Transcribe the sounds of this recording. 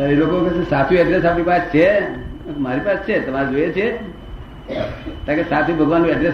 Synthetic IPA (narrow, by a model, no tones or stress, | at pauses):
elokokesat̪ʰjũɛɖɾesapnipast͡ʃʰe | maɾipast͡ʃʰet̪əmaɾed͡ʒoet͡ʃʰe | t̪ãkesat̪ʰjũbʱəɡʱʋanːũɛɖɾes